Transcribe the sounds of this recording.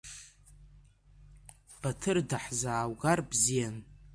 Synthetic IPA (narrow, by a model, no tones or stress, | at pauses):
b̥atʰɨrdaħzaːwɡarbzijan